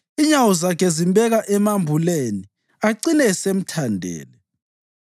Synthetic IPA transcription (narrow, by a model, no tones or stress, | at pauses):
iɲawɔzakʰezimbʱɛɣaʔɛmambʱuleni | aǀinɛsem̩tʰandʱɛ̰ːlɛ